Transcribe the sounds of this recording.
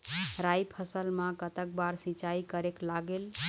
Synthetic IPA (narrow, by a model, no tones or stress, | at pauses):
ɾajpʰəsəlmãkət̪ək̚baɾsĩt͡ʃaikəɾeklaɡel